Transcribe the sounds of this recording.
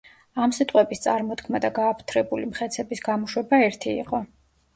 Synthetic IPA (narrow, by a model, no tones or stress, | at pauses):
amsit̪ʼqʼwɛbist̪sʼaɾmɔt̪kʰmad̪aɡaːpʰt̪ʰɾɛbulimχɛt̪sʰɛbisɡamɔʃwɛbaɛɾt̪ʰḭːqʼɔ